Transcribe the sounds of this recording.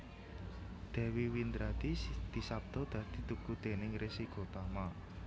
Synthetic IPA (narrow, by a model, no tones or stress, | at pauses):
d̪̥ɛ̤wiwind̪ɾad̪̥isd̪̥isap̚d̪̥ɔ̤d̪̥ä̤d̪̥i̤t̪ukud̪̥e̤nɪŋresiko̤t̪ama